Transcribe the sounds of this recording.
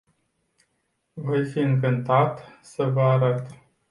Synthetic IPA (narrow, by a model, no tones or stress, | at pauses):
vojfiɨŋkɨnt̪at̪səvəaɾat̪